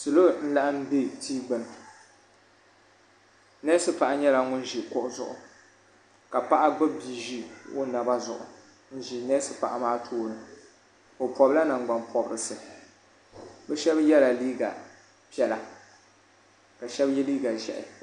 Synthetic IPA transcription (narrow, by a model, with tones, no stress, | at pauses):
sɨ˨lo˦n̩˦la˦ʔɨ˦m˦bi˦tʰiː˦ɡ͡bɨ˨nɨ˨ | nɛ˦sɨ˦pa˨ʔa˦ɲɛ˦la˨ŋʊ˦n˦ʒi˨kʊ˦ʔʊ˦zʊ̰˨ʔʊ̰˨ | ka˨pa˦ʔa˦ɡ͡bɨ˦bi˨ʒi˦wo̰˦na˨ba˦zʊ̰˨ʔʊ̰˨ | n̩˦ʒi˨nɛː˦sɨ˦pa̰˨ʔa˨maː˦tʰoː˦nɨ˨ | o˨pɔ˨bla˦na˨ŋ˦ɡ͡ba˨npʰɔ˨bɨ˨ɾɨ˨sɨ˨ | bɛ˦ʃɛ˦bjɛ˦la˨liː˦ɡa̰˨ | pi˦ɛ˦˨la˨ | ka˨ʃɛ˦bjɛ˦liː˦ɡa˨ʒɛ̰˨ʔɪ̰˨